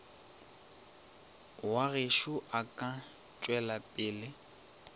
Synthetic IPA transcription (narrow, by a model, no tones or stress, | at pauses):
waɣeʃʊʔakʼa | t͡ʃʼwɛlapʼɪːlɪ